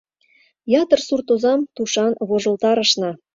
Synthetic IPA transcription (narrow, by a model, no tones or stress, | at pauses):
jɑt̪ərsurt̪ozɑmt̪uʃɑnβoʒə̆lt̪ɑɾə̆ʃnɑ̆